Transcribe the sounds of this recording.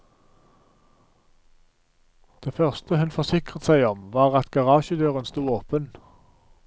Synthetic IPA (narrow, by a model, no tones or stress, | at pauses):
d̪̥eːfœʁst̪əhʉnfɔʁsɪkʁət̪sæɪɔmʋɑːʁɑt̪ɡɑʁɑːʃəd̪øːʁənst̪uːoːpən